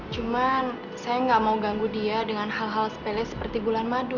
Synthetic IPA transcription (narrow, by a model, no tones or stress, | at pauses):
t͡ʃuman | sajaŋɡaʔmauɡaŋɡudiadəŋanɦalɦalsə̥pelɛsə̥pərt̪ibulanmadu